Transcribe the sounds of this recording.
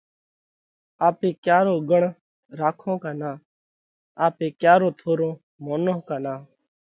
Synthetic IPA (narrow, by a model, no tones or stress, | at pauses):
aːpeːkjaːɾoːɡəɳ | ɾaːkʰõːkaːnãː | aːpeːkjaːɾõːt̪ʰoːɾõː | moːnõːkaːnaː